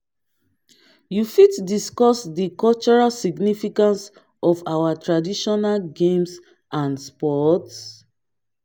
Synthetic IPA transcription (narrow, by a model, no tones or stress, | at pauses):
jufitdiskɔsdikɔlt͡ʃɔɹalsiɡnifikãns | ɔfawatɹadiʃɔnalɡẽms | ʔãnspɔts